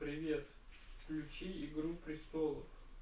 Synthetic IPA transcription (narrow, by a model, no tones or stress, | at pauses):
pɾʲɪvʲet̪ | klʲut͡ʃiiɡɾupɾʲɪst̪ɔlˠəf